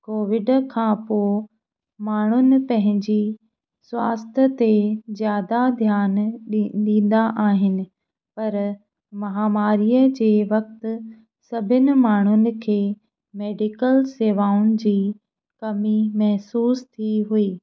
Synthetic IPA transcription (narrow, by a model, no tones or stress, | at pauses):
koːʋɪɖkʰãːpoː | maːɳ̤ʊnɪ̆pɐ̃ɦɪ̃ɲd͡ʑi | swaːst̪ʰət̪ezjaːd̪ad̪ʱjaːnɗĩːn̆d̪aʔaːɦɪnɪ̆ | pɐɾ | mɐɦaːmaːɾiːjəd͡ʑeːʋɐk̚t̪ʊ̆ | sɐbʱɪnɪ̆maːɳ̤̃ʊnɪ̆kʰeː | meːɖɪkəlseːʋaːʊñɪ̆d͡ʑiː | kɐmimɐɦsuːst̪ʰiɦuiː